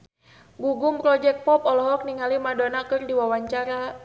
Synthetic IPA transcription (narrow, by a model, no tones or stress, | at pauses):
ɡuɡumpɾɔd͡ʒɛk̚pɔpɔlɔɦɔk̚niŋalimadonakɨrdiwawaɲt͡ʃaɾa